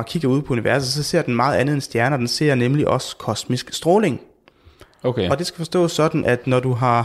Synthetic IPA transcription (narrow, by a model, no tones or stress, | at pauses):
kʰiɡ̥ɐuð̞̰ˠpʰɒ̽uniʋæɐsð̩ˠsɒ̽se̝ɐ̰d̥enmɑ̈ːð̞̩ˠænð̞̩ˠensd̥jæɐnɐd̥ense̝ɐ̰nemliʔɒ̽skʰɒ̽smisɡ̥sd̥ʁɔːle̝ŋ | okɒd̥e̝sɡ̥æ̥fɒ̽sd̥ɔ̰ːsːɒ̽d̥n̩ʔæd̥nɒd̥uɦɑ̈